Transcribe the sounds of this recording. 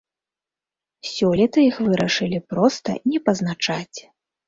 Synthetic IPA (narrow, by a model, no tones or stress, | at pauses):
sʲɔlʲɛt̪ɨixvɨɾɐʂɨlʲipɾɔst̪ɐ̰nʲɛpɐznat͡ʂat͡sʲ